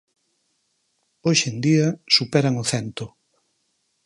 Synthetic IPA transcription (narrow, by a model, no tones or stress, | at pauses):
oʃend̪iɐsupɛɾaŋʊθɛnt̪ʊ